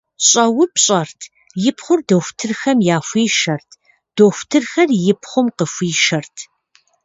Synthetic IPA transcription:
ɕʼɐwʊpɕʼɐrtʰ | jɪpχʷʊrdoxʷtʰɨrxɐmjaːfʷiːʃɐrtʰ | d̥oːxʷtʰɨrxɐrjɪpʰχʷʊmqəfʷiːʃɐrtʰ

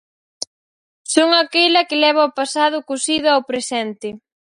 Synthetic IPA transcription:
soŋakejlɐkɪlɛβ̞ɐopasað̞ʊkosiðʊawpɾesɛnt̪ɪ

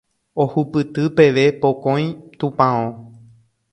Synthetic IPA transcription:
ohupɨt̪ɨpe̞ʋe̞pokõj̃t̪ũpãõ

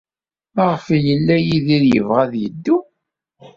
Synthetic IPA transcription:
ʁfjəlːæjiðiɾjə̰vʁæðjəd̪ːu

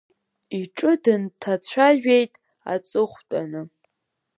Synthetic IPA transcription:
iʈ͡ʂʼɨdɨntʰat͡ɕʷʰaʒᶣejtʼ | a̰t͡sʼɨχʷt͡pʼanɨ

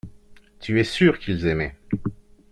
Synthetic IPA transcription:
t̪ʰyɛsyʁkʲilzɛmɛ

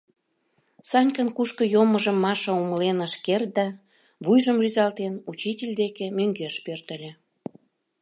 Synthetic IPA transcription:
sɑnʲkənkuʃkə̆joməʒəmːɑʃəoməlenəʃkert̪̚d̪ɑ | βujʒəmryzɑlt̪enut͡ɕitʲelʲd̪ekemøŋɡeʃpørt̪ə̆lʲĕ

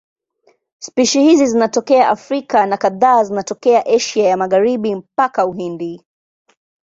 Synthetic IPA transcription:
spiʃihizizinatɔkɛaʔafɾikanakaðaːzinatɔkɛaʔɛʃiajamaɣaɾiɓim̩pakauɦindi

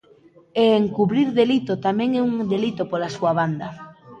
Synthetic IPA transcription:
eːŋkuβɾiɾðelit̪ot̪amɛ̃ŋɛuŋd̪elit̪opoɾasuaβand̪ɐ

